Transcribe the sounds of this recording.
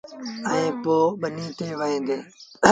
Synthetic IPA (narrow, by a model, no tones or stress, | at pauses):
əẽːpoːɓəniːt̪ʰeːʋəẽːnd̪eː